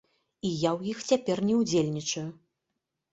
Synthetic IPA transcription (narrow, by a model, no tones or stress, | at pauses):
ijawjixt͡sʲapʲɛrnʲɛwd͡zʲelʲnʲit͡ʂɐju